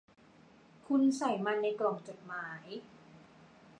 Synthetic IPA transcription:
kʰu˧nsa˨˩˦jma˧nːa˧jklɔː˨˩ŋt͡ɕo˨˩t̪̚maː˩˦j

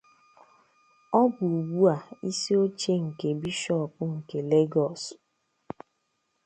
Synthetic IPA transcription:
ɔ˦bu˨u˨ɡ͡bu˦a˨i˦si˦o˦t͡ʃe˦ŋ̩˨ke˨bi˦ʃɔ˦pʊ˦ŋ̩˨ke˨le˦ɡɔ˨s

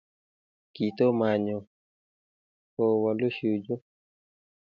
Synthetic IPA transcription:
ki˨t̪o˦ma˨ɲɔ˨ | kɔ˨wa˨lo˦ʃu˨d͡ʒo˦

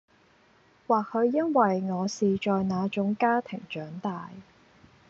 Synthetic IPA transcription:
waː˨k̚hɵ˨˧ɥjɐ˥nwɐ˨jŋɔː˨˧siː˨t͡ʃɔː˨jnaː˨˧t͡ʃʊ˨˥ŋkaː˥t̪ʰɪ˨˩ŋt͡ʃœː˨˥ŋt̪aː˨j

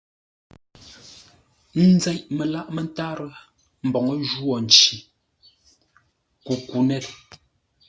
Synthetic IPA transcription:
n̩˦d͡zɛ˦˨ʔme˨la˦ʔme˨n˦ta˦ɾə˦ | m̩˨bɔ˨ŋə˦ʒu˦ɔ˨n˨t͡ʃi˨ | ku˨ku˨nɛ˦˨l

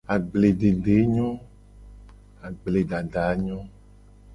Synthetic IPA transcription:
a˨ɡ͡ble˨ɖe˨ɖe˨˦ɲɔ̃˦ | a˨ɡ͡ble˨ɖa˨ɖa˨˦ɲɔ̃˦

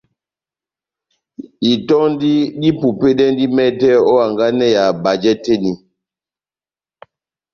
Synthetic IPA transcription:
i˨tɔ˦n˦di˦ɗi˦pu˨pe˦dɛ˦ndi˦mɛ˦tɛ˦ɔ˦a˨ŋɡa˦nɛ˦˨ja˨ba˨d͡ʒɛ˦te˦ni˨

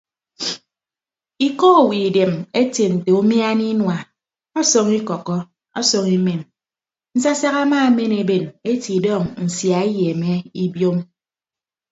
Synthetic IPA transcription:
i˨kɔ˦˨wi˨de˨me˦te˨n̩˨te˨u˦mja˦ni˦nwa˨ | ɔ˦so˨ŋi˦kɔ˨kɔ˦ | ɔ̰˦so˨ŋi˦me˨n | n̩˨sa˦sa˦ɣa˦maː˦me˦ne˨be˨ne˦ti˨dɔ˦˨ŋn̩˨sja˨e˦je˨me˦i˦bjo˦m

